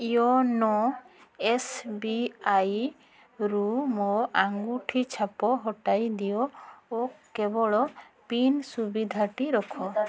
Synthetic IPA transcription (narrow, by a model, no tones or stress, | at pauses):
ijɔnɔ | esbiaj | ɾumɔaŋɡuʈʰit͡ʃʰapɔɦɔʈajd̪ijɔɔkːɛbɔɭɔ | pinsubid̪ʱaʈiɾɔkʰɔ